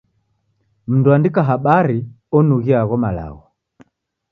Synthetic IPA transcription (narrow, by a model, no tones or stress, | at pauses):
m̩nduandikaɦaɓaɾi | ɔnuɣiaɣɔmala̰ɣɔ